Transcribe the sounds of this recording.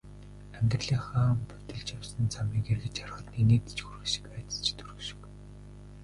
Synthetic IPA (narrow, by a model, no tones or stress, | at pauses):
æŋɡʲɪ̆rɮiːχaːmpʊt̪ɘ̆ɮt͡ɕjawsə̆nt͡sʰamiːkerɣɘ̆t͡ɕar̆χə̆t̪nineːt̪t͡ɕxuɾɘ̆ʃĭ̥kpæːt̪ə̥̆t͡ɕʰt̪uɾɵ̆ʃɪ̥̆k